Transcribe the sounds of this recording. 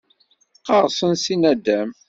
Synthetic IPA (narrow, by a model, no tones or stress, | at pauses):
qːɑʁsənsinæd̪æm